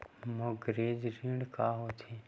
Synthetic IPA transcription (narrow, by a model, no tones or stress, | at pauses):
moɡɾeːd͡ʒɾiɽkaɦot̪ʰe